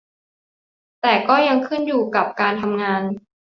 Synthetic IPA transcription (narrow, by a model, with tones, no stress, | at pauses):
t̪ɛː˨˩kɔː˥˩ja˧ŋkʰɯ˥˩njuː˨˩ka˨˩p̚kaː˧nt̪ʰa˧mŋaː˧n